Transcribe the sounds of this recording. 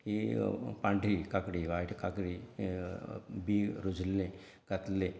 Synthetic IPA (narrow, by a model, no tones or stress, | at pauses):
ipaɳɖɾikɐkɽiʋaːʈʰkɐkɽi | biːɾud͡ʒlːẽ | kɐt̪le